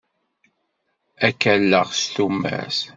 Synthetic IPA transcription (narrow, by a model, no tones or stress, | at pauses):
ækːælːəʁst̪umːæ̰s